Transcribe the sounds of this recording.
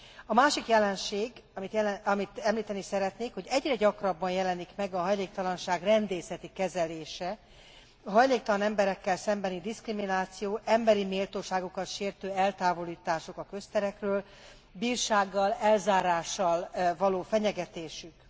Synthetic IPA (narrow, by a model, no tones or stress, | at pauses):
ɒmaːʃikjɛlɛnʃeːɡmit̪ɒmit̪ɛmliːt̪ɛnisɛɾɛt̪neːkho̞ɟɛɟrɛɟɒkrɒbːɒnjɛlɛnikmɛɡɒɦɒjleːk̚t̪ɒlɒnʃaːɡrɛnd̪eːsɛt̪ikɛzɛleːʃɛ | ɒɦɒjleːk̚t̪ɒlɒnɛmbɛɾɛkːɛlsɛmbɛnid̪iskriminaːt̪sijoːʔɛmbɛɾimeːlt̪oːʃaːɡokɒt̪ʃeːrt̪øːɛlt̪aːvo̞liːt̪aːʃokɒkø̞st̪ɛɾɛkrøːl | biːrʃaːɡːɒlɛlzaːɾaːʃːɒlvɒloːfɛɲɛɡɛt̪eːʃyk